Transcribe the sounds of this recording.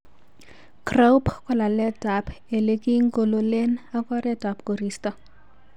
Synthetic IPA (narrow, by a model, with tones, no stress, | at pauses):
kra˦wpkɔ˦la˨lɛ˦ta˨pe˨le˦ki˦ŋko˨lo˨le˦na˦kɔ˦ɾɛ˦ta˨pko˨ɾi˨stɔ˦